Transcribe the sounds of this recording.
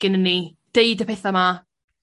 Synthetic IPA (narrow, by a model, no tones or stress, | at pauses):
ɡ̥ɪnənːi | d̥eɨdəpʰɛθama